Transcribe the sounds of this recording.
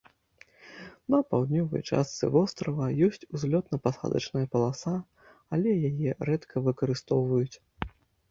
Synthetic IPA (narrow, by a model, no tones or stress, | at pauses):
nɐpawd̪nʲɔvɐ̰jt͡ʂa̰st̪sɨ̰vɔst̪ɾɐvɐjɔsʲt͡sʲuzʲlʲɔt̪nɐpasa̰d̪ɐ̰t͡ʂnɐjɐpɐlˠasa | alʲɛjajɛɾɛt̪kʰɐvɨkɐɾɨst̪ɔwvɐjut͡sʲ